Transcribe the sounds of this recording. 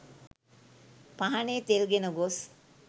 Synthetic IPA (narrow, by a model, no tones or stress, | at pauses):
paɦaneːt̪elɡenəɡos